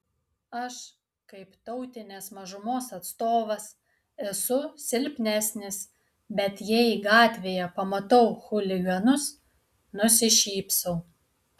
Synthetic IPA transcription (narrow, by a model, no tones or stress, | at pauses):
ɐʃ | kɐɪpt̪ɐʊt̪ʲɪnʲesmɐʒʊmoːsɐt̪st̪oːʋɐs | ɛsʊsʲɪlʲpʲnʲæsʲnʲɪs | bʲɛt̪jɛɪɡɑːt̪ʲʋʲeːjɛpɐmɐt̪ɐʊxʊlʲɪɡɐnʊs | nʊsʲɪʃʲiːpsɐʊ